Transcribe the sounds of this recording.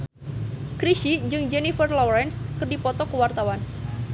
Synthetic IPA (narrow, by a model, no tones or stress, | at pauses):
kɾiʃid͡ʒɨŋd͡ʒɛnifərlɔɾɛnskɨərdipɔt̪ɔkəwart̪awan